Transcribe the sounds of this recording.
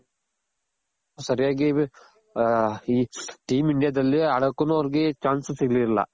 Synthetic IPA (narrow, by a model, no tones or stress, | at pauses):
sɐɾijaːɡi | iːʈiːmiɳɖijaːd̪ɐlːiɐɽɐkːunuɐʋɐɾiɡet͡ʃaːnssiɡliɾɐlːɐ̰